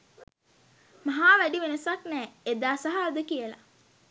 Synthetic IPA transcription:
maɦaːʋæɖiʋenəsaknɛːed̪aːsaɦaːd̪əkijəla̰

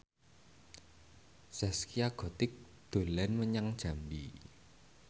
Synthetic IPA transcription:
sɛskiaɡ̥ɔt̪ɪk̚ | d̪̥o̤lɛnməɲaŋd̥ʒ̥a̤mbi

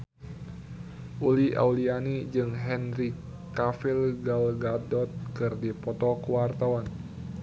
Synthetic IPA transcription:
ʔulia̰ulianid͡ʒɨŋɦɛnɾikː | afilɡalɡadɔt̪̚kɨrdipɔt̪ɔkuwart̪awan

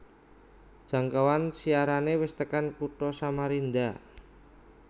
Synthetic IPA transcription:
d̥ʒ̥ä̤ŋkawansiaɾanewɪst̪əkankuʈɔsamaɾind̪a

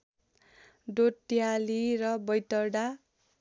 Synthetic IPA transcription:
dot̪ːjaliɾʌbʌjt̪ʌɖa

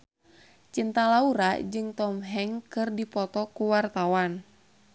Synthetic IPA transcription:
t͡ʃint̪alauɾad͡ʒɨŋt̪ɔmɦɛŋkɨrdipɔt̪ɔkuwart̪awan

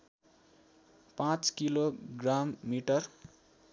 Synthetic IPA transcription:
pãt͡skiloɡramːiʈʌr

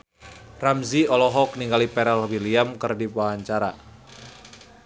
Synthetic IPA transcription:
ramziɔlɔɦɔk̚niŋɡalipɛɾɛlwiliamkɨrdibaɦaɲt͡ʃaɾa̰

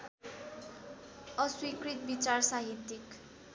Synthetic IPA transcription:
ʌswikɾit̪̚bit͡sarsaɦit̪ːjik

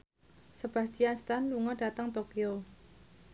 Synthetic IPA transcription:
səb̥a̤st̪ianst̪anluŋɔɖ̥a̤t̪əŋt̪okio

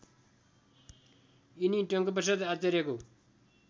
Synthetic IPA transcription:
iniʈʌŋkʌp̬ʌs̬ʌd̪at͡sʌɾjeko

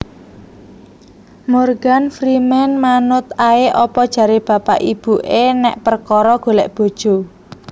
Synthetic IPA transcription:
morɡ̥anfɾimɛnmanʊt̪aeʔɔpɔd̥ʒ̥ä̤ɾeb̥ä̤pa̰ʔib̥uʔenɛʔpərkɔɾɔɡ̥o̤lɛʔb̥o̤d̥ʒ̥o̤

